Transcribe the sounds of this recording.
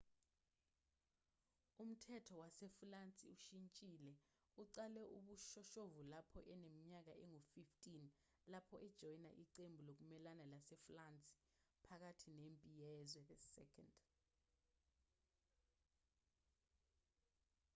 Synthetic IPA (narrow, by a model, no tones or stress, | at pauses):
um̩tʰɛtʰɔwasɛfulant͡sʼḭuʃint͡ʃʼiːlɛ | uǀalɛʔuɓuʃɔʃovulapʰɔʔɛnemiɲak̬aʔɛŋofiftʼin | lapʰɔʔɛd̥ʒ̥ʱɔjna̰ʔiǀembʱulok̬umɛlanalasɛflant͡sʼi̥ | pʰak̬atʰinempʼijɛzwɛɓɛssɛ̰kʰand